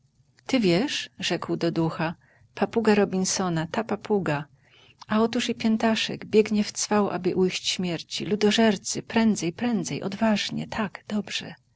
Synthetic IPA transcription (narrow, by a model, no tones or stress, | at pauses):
t̪ɘvʲjɛʂʐɛkwd̪ɔd̪uxa | papuɡaɾɔbʲinsɔnat̪apapʰuɡa | aɔt̪uʂipʲjɛnt̪aʂɛ̰ɡbʲjɛɡɲɛft̪sfawʔa̰bɘʔujɕt͡ɕɕmʲjɛɾt͡ɕilud̪ɔʐɛɾt̪sɘpɾɛnd̪zɛjpɾɛnd̪zɛjʔɔ̰d̪vaʐɲɛ̰t̪ʰaɡd̪̥ɔbʐ̥ɛ̰